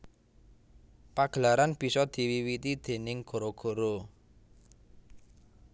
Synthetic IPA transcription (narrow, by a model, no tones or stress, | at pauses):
paɡ̥əlaɾanb̥i̤sɔd̪̥i̤wiwit̪id̪̥e̤nɪŋɡ̥o̤ɾoɡ̥o̤ɾo